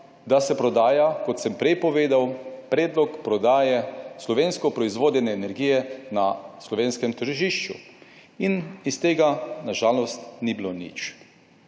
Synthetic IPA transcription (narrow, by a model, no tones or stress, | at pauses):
d̪asɛpɾɔd̪aːjakɔt̪sɛmpɾɛjpɔʋeːd̪awpɾɛːd̪lɔkpɾɔd̪aːjɛslɔʋeːnskɔpɾɔizʋoːd̪ɛnɛːnɛɾɡiːjɛnaslɔʋeːnskɛmt̪əɾʒiʃt͡ʃṵinist̪eːɡanaʒaːlɔst̪nibilonḭt͡ʃ